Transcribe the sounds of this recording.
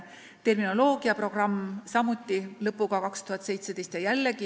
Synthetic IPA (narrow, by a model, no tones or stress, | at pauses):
t̪e̞rmino̞lo̞ːɡ̥iɑpro̞ɡ̥rɑmːsɑmut̪ˑːilɤpːˑuɡ̥ɑkɑkst̪uhɑt̪ːˑse̞jt̪se̞d̪ejst̪jɑjælːeɡ̥i